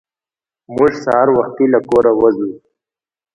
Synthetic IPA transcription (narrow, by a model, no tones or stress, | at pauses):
mʊʐsaɦaɾwaxt̪ilakoɾawazu